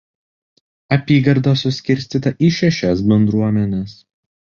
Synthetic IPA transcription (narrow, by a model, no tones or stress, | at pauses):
ɐpʲiːɡɐɾd̪osʊsʲkʲɪɾʲˑsʲt̪ʲiːt̪ɐʔiːʃʲɛʃʲɛsbʲɛnd̪ɾuɔmʲɛnʲes